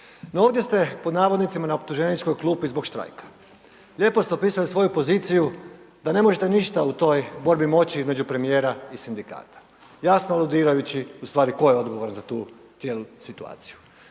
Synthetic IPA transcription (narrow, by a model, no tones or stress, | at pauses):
noo̞ːʋd̪ʲje̞st̪e̞po̞d̪naːʋod̪nit̪simanaop̚t̪uʒe̞nit͡ʃko̞jklˠuːpizbo̞ɡʃt̪ɾa̰jkḁ | ʎʲe̞ːpo̞st̪eopiːsalisʋo̞jupo̞zit̪siju | d̪ane̞mo̞ʒet̪eniʃt̪aut̪o̞jbo̞ɾbimo̞t͡ɕiizme̞d͡ʒupɾe̞mije̞ːɾaisind̪ika̰ːt̪ḁ | jasnoalud̪iːɾajut͡ɕiust̪ʋaːɾiko̞jeo̞d̪ɡo̞ʋo̞ɾanzat̪uːt̪je̞ːlusit̪ua̰ːt̪si̥ju